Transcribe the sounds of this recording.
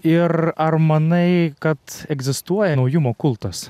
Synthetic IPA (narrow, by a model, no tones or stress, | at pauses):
ɪɾɐɾmɐnɐɪkɐt̪ɛɡzʲɪst̪uɔjɛnɐʊjʊmoːkʊlˠt̪ɐs